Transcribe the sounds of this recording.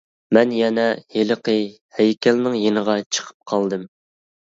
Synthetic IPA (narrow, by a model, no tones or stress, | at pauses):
mɛnjɛnɛjeləqʰə | hɛjkʲɛlnɪŋjenəʁɑt͡ʃʰə̥qʰə̥p̚qʰɑlˠd̪ɨm